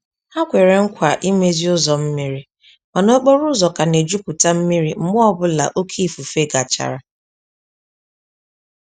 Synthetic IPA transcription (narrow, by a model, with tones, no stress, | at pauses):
a˦kʷe˨ɾe˨ŋ̩˦kʷa˨ʔi˦me˦zi˦ʊ˦zɔ˨m̩˦mi˦ɾi˦ | ma˨no˦k͡po˦ɾʊ˦zɔ˨ka˨ne˨d͡ʒu˦kʊ˨ta˦m̩˦mi˦ɾi˦m̩˦mʊ˦ɔ˦bʊ˦la̰˨ʔo˦kʰi˦˨fu˨fe˦ɡa˨t͡ʃa̰˨ɾa˨